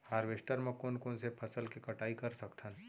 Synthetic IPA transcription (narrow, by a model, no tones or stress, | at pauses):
haːɾʋeːʃʈəɾmẽkoːnkonsepʰɐsəlkikɐʈaːikɐɾsɐkt̪ʰən